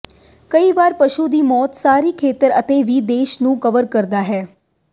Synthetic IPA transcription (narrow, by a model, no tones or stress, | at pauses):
kəiʋaːɾpəʃud̪iːmɔːt̪saːɾiːkʰeːt̪əɾət̪eʋiːd̪eːʃnũːkəʋəɾkəɾd̪aɦɛː